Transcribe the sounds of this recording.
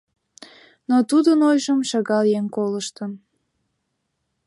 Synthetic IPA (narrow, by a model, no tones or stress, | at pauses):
not̪ud̪ənojʒəmʃɑɣɑljeŋkoləʃt̪ən